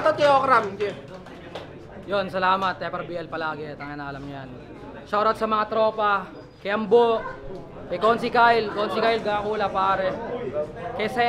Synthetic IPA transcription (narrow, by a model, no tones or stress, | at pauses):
t̪ot̪ɪjokɾamɪnɡɛ | jonsɐlaːmɐt̪̚ːɛpɾɐbiɐlpɐlaːɡɛt̪ɐŋɐnaːɐlɐmɲɐjan | ʃoɾɐt̪sɐmɐŋat̪ɾoːpɐ | kɐjʔɐmboʔ | kɐkonsɪkajlkonsɪkajlɡakuːlɐpaːɾɛ | kɐsɛ